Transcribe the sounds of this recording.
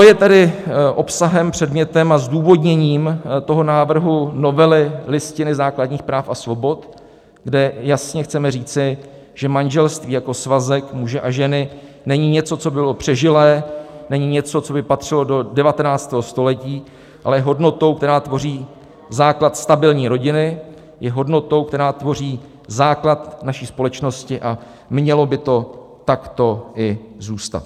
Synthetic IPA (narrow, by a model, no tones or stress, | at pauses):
t̪ojɛt̪ɛdɪʔo̞psaɦɛmpr̝̥ɛdmɲɛt̪ɛmazduːvo̞dɲɛɲiːmt̪o̞ɦo̞naːvr̩ɦuno̞vɛlɪlɪscɪnɪzaːkladɲiːxpɾaːfasvo̞bo̞t̪ | ɡdɛjasɲɛxt͡sɛmɛriːt͡sɪ | ʒ̥ɛmanʒɛlst̪viːjako̞svazɛkmuʒɛʔaʒɛnɪ | nɛɲɪɲɛt͡so̞t͡so̞bɪlo̞pr̝̥ɛʒɪlɛːnɛɲiɲɛt͡so̞t͡so̞bɪpat̪r̝̥ɪlo̞do̞dɛvat̪ɛnaːt͡st̪ɛːɦo̞st̪o̞lɛciː | ʔalɛjɛɦo̞dno̞t̪o̞wk̚t̪ɛɾaːt̪vo̞riː | zaːklat̪st̪abɪlɲiːɾo̞ɟɪnɪ | jɛɦo̞dno̞t̪o̞wk̚t̪ɛɾaːt̪vo̞riː | zaːklat̪naʃiːspo̞lɛt͡ʃno̞scɪʔa | mɲɛlo̞bɪt̪o̞ | t̪akt̪o̞ʔɪzuːst̪a̰t̪̚